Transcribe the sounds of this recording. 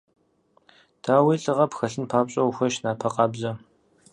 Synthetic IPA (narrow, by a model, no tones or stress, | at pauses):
d̥ʰaːwiɬʼɨʁɐpxɐɬɨnpʰaːpɕʼɐwxʷɐʃnaːpʰɐqɑːbʑɐ